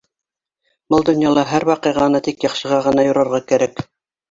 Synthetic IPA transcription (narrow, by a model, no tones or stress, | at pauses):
bɤlˠd̪ŏnjɑlˠɑɦæɾwɑqɤ̆jʁɑnɤt̪ikjɑχʃɤ̆ʁɑʁɤ̆nɑjŏɾɑɾʁɑkæɾæk